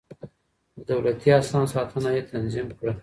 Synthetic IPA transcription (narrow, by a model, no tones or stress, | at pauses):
d̪əd̪awlat̪iasɑnsɑt̪ʰənajet̪ʰanzimkɽə